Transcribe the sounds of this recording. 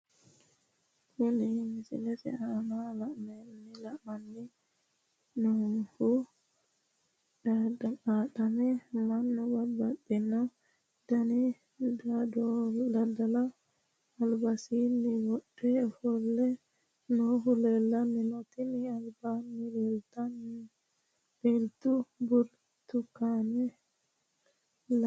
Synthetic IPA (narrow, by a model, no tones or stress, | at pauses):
hunimisḭlɛsɛ̰amalamɛlmilamanːi | nɔhu | dadamaɗanɛmanːɔbabaɗina | d̥ani | dadɔdɐd̪ɐlɐː | lbɐsiːnːɪwɔɗɛfɔlːɛ | noɦʊlelːɐnɪnɔt̪ɪnɪɐlbaːnːɪleːlt̪ɐn | elt̪ːʊbʊɾ | t̪ʊkːanɛ | l